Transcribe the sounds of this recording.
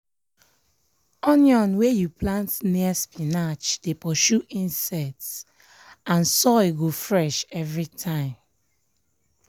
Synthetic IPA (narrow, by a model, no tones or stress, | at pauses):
ɔ̃njɔ̃nwejupʰlãntniəspinat͡ʃd̥epɔʃuʔĩnsɛts | ãnsɔɡofɹɛʃɛvɹitʰãɪ̃m